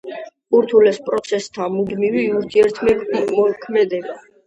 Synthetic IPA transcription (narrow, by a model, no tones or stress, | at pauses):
uɾt̪ʰulɛspʼɾɔt̪sʰɛst̪ʰamud̪miviuɾt̪ʰiɛɾt̪ʰmɛmɔkʰmɛd̪ɛba